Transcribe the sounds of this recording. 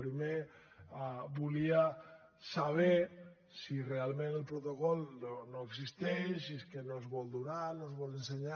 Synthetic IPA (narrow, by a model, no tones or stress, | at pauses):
pɾime | abulia | saβ̞e | sirealmẽnelpɾot̪okɔlnonoeks̬ist̪es̬ieskenozβɔld̪unaɾnozβɔlenseɲa